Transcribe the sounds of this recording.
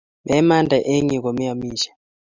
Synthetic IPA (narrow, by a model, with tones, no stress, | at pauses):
mɛ˦ma˦ndʱa˨ʔe˦ŋi˨ko˨mi˦a˨miː˦ʃḁ˨